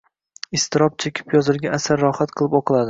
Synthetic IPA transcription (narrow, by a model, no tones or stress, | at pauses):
ɪst̪ɪɾɒp̚t͡ʃʰekʲʰɪ̥pjɒzɪɾɡʲaːsaɾːɒhat̪qʰɨlˠɪpɒqʰɨlˠad̪ɪ